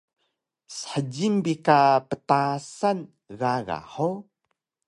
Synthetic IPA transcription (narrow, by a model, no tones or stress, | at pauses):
sə̥ħəd͡ʑimbikapətasan | ɣaɣa̰ħo